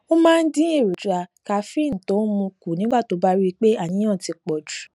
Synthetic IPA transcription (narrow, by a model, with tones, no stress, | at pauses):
o˦mãː˦˧n̩˦dĩ˦e˦˨ɾo˨d͡ʒu˨a˧ka˨fĩ˦˨n̩˨tõ˨˦mũ˧ku˨nĩ˨˦ɡ͡ba˦˨to˨˦ba˦ɾi˦i˧k͡pe˦a˦˨nĩ˨˦ã˦˨ti˧k͡pɔ˨d͡ʒu˨